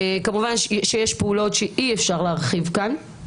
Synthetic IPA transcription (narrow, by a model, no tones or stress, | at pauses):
kamuvanʃʃejeʃpeulo̞tʃeʔiefʃaʁleaʁχivkan